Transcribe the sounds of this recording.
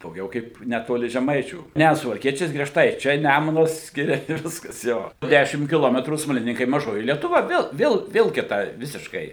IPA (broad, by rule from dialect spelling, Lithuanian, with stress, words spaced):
dɐʊˈɡʲɛʊ kɐɪp nʲɛˈtoːlʲɪ ʒʲɛˈmɐɪt͡ʃʲuː ˈnʲæ sʊʋɐlʲˈkʲiɛt͡ʃʲɛɪs ɡrʲiɛˈʃtɐɪ ˈt͡ʃʲɛ ˈnʲæmʊnɐs ˈsʲkʲɪrʲɛ ɪ ˈʋʲɪskɐs ˈjoː ˈdʲæʃʲɪm kʲɪˈlˠoːmʲɛtruː smɐlʲɪˈnʲɪŋkɐɪ mɐˈʒoːjɪ lʲiɛtʊˈʋɐ ˈʋʲeːlˠ ˈʋʲeːlˠ ʋʲeːlˠ kʲɪˈtɐɪ ˈʋʲɪsʲɪʃkɐɪ